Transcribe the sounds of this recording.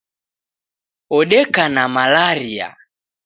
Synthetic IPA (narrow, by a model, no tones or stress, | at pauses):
ɔɗɛkanamalaɾia̰